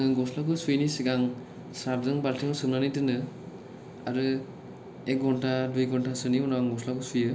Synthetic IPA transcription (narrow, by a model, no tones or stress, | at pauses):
ɯɡɔslakɯsujnisiɡaŋ | sɾab̚zɯŋbaltʰiŋɔsɯmnanitɯnɯ | a̰ɾɯ | ek̚ɡɔntadujɡɔntʰasɯniɔnaŋɡɔslakʰɯsujɯ